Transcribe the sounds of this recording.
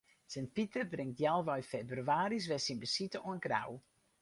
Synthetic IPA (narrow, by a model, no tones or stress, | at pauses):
sɛnpitərbrɪŋt̚djalˠʋœɥfebryaːɾis̬ʋɛsinbəsitəonɡra̰w